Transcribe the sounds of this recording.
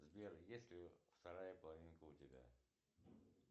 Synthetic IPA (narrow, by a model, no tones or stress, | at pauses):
zbʲeɾjesʲlʲɪft̪ɐɾajəpəlˠɐvʲinkəʊt̪ʲɪbʲa̰